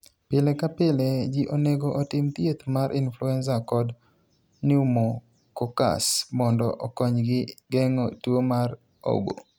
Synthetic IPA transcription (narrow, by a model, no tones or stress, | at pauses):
pɪlɛkapɪlɛd͡ʒiʔoneɡoʔotɪmt̪jet̪maɾʔɪnfluɛnsakɔd | nɪumo | koka̰smɔndɔ̰ʔɔkɔɲɡɪɡɛŋotuomar | o̰bo̰